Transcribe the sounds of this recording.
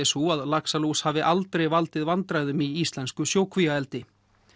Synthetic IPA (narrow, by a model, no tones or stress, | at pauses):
ɛsuaðlaksalushaːvɪʔalt̪ɾejvalt̪ɪðvant̪ɾajðʏmiist̪lɛnskʏsjoːwkʰvijaɛlt̪ɪ